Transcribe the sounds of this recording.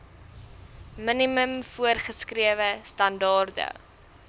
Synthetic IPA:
miniməmfuərχəskriəvəstɐndɑːrdə̰

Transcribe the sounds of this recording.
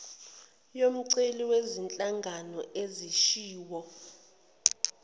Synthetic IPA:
jom̩ǀeliwezint͡ɬʼaŋɡʱanɔʔeziʃiːwɔ

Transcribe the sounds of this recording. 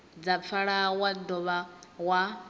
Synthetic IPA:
d͡zap̪fʰaɺawadɔβawa

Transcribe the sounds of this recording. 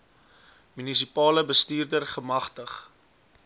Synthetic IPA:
mynisipɑːləbəstiːrdərχəmɐχtəχ

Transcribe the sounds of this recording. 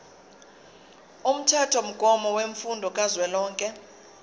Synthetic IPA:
um̩tʰɛtʰɔm̩ɡ̥ʱʼɔmɔweɱfundʱɔkʼazwɛlɔːŋkʼɛ

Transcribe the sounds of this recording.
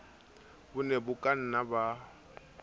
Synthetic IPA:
bʊnebʊkʼan̩naba

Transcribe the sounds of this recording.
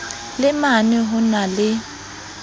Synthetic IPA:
lɪmanɪɦʊnalɪ

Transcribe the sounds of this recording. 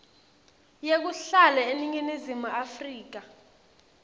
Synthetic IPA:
jek̬uɬalɛeniŋinizimuafriːk̬a

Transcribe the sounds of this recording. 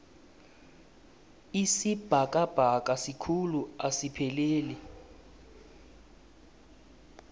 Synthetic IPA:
isib̥ʱakʼab̥ʱakʼasikʰuluasipʰɛleːli

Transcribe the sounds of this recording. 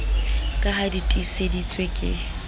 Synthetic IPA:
kʼahaditʼisedit͡sʼwekʼɪ̰

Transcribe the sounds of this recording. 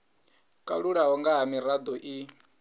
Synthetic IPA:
kʼa̰ɺuɺaɦɔŋɡaɦamiɾad̪ɔʔi

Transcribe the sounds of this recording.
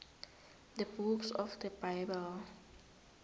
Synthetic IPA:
dəbuksɔfdəbaɪbəl

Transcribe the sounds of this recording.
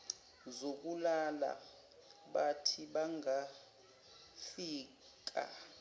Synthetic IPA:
zok̬ulala̰ | ɓatʰiɓaŋa | fiː | k̬a̰

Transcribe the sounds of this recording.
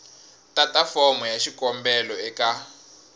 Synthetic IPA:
tatafɔmɔjaʃikɔmbɛlɔɛka

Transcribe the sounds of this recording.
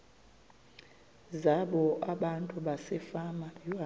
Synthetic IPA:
zaɓɔʔaɓantʼuɓasɛfamaa

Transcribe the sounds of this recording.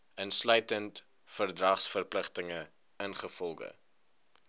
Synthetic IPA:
ənslœɥtənt | fərdrɐχsfərpləχtəŋə | ənχəfɔlˠχə̰

